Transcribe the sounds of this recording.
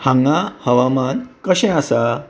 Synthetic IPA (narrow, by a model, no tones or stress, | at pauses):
hãŋɡahəʋamankəɕɛ̃asa